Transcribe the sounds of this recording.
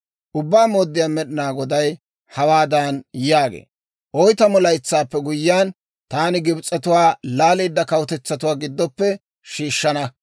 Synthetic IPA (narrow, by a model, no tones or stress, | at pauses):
ʔʊbːaːmoːd̪ːɪjaːmɛɗɪnaːɡɔd̪ɐj | hɐwaːd̪anjaːɡḛː | ʔɔjt̪ɐmɔlɐjt͡sːaːpːɛɡʊjːɪaːn | t̪aːnɪɡɪbt͡sʼːɐt̪ʊwaːlaːliːd̪ːɐkɐwʊt̪ɛt͡sːɐt̪̬ʊwaːɡɪd̪ːɔpːɛ | ʃiːʃːɐnɐ